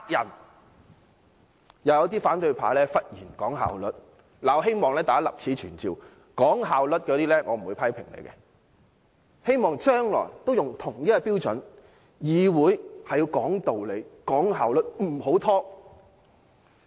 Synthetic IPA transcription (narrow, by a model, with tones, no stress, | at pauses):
a˨k̚jɐ̰˨˩n | jɐ˨˧wjɐ˨˧˥wt̪̬iː˥faː˨˥nt̪ɵ˧ɥpʰa̰ː˨˥lɛː˥fɐ˥t̚jiː˨˩nkɔː˨˥ŋɦa̰ː˨wlɵ̰˨˥t̚ | laː˨˩wɦe˥jmɔː˨ŋlɛː˥t̪aː˨˥lɐ̰˨p̚t͡sʰiː˨˥t͡ʃʰyː˨˩nt͡siː˨˧w | kɔː˨˥ŋɦaː˨wlɵ˨t̚kɔː˧˥t̪iː˥lɛː˥ŋɔː˨˧m̩˨˩u˨˧jpʰɐ˥jpʰɪ̰˨˩ŋlḛ˨˧jkɛ̰˧ | he˥jmɔː˨˩ŋt͡ʃœː˥ŋlɔ̰ː˨˩jt̪o˥wjʊ˨ŋt̪ʰʊ˨˩ŋjɐ˥t̚ːɐ˧piː˥wt͡sɵ̰˨˥n | jiː˨˧wuː˨˥jhɐ˨jiː˨˧wkɔː˨˥ŋt̪o˨wle˨˧jkɔː˨˥ŋɦaː˨wlɵ˨˥t̚m̩˨˩ho˨˥wt̪ʰɔː˥